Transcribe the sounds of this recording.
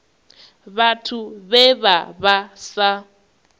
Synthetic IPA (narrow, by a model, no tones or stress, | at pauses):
βatʰuβɛβaβasa